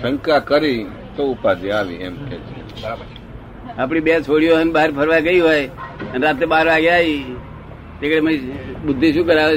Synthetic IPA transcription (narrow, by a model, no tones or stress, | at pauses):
sʰə̃ŋkakəɾi | t̪oʊpad͡ʒiaʋḭḛmkʰɛt͡ʃʰḛ | bəɾabəɾt͡ʃ | aːpɳibet͡ʃʰoɽionbaɦɾpʰəɾʋaɡəiɦojənɾat̪ebaːɾʋaɡeai | t̪ekɽeməibʊd̪ʱːiʃũːkəɾae